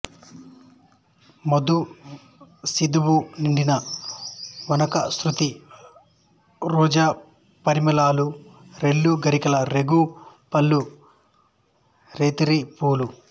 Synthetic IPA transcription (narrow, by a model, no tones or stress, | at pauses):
mɐd̪u | sid̪uwuniɳɖinɐ | ʋɐnɐkɐsɾut̪i | ɾɔːd͡ʒaː | pɐɾimɐlaːluɾeɭːuɡɐɾikɐlɐɾeɡupɐlːu | ɾeːt̪iɾipuːlu